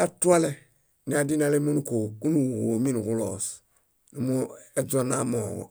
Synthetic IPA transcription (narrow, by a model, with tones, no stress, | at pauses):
a˨tu˦a˦lɛ˦ | ni˨a˨di˦na˨le˦mo˦nũ˦koː˨ku˦nũ˨wo˨˦mĩ˦nu˨ku˦lɔ̰ː˨s | nu˨˦mũ˦ɛ˨d͡zɔ˨na˦mɔː˨ɡɔ̰˨